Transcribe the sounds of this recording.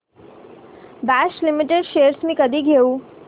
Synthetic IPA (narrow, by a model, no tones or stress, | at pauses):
bæɕlimiʈeɖɕeɾsmiːkəd̪ʱiːɡʱeu